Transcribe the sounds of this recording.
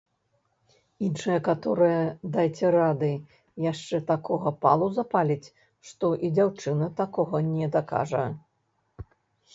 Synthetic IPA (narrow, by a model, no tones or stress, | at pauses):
inʂɨjɐkat̪ɔɾɨjɐd̪ajt͡sʲɛɾad̪ɨ | jaʂt͡ʂɛt̪akɔɣɐpalˠuzɐpalʲit͡sʲ | ʂt̪ɔʔid͡zʲawt͡ʂɨnɐt̪akɔɣɐnʲɛd̪aka̰ʐɐɐ